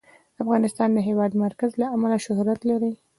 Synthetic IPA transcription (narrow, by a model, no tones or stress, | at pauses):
d̪əafɣɑnɪst̪ɑnd̪əɦewɑd̪maɾkazlaʔːmalaʃʊhɾat̪laɾi